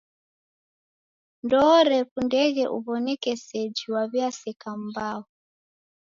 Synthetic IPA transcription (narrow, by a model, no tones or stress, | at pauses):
ndɔɾɛpundɛɣɛʔṵβɔnɛkɛsɛd͡ʒiwaβjasɛkam̩bau